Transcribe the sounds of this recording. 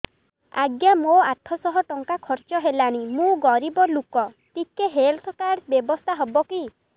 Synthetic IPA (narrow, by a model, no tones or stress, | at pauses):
a̰ɡjamoat̪ʰɔsɔɦɔʈɔŋkakʰɔɾt͡ʃɔɦelaɽ̃imũɡɔɾibɔlukɔ | t̪ikeɦelt̪ʰɔkaɾsbjebɔst̪ʰaɦɔbɔki